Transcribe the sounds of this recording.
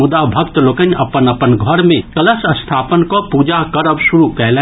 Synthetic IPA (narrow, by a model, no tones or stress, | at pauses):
ud̪abʱɐkt̪loːkənɐpənɐpənɡʱɔɾmẽkɐləsəst̪ʰaːpənkopuːd͡ʒakəɾəbʃuɾukɛɦlə̃